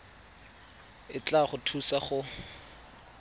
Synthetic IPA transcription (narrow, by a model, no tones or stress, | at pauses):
ɪt͡ɬaχʊtʰusaχʊ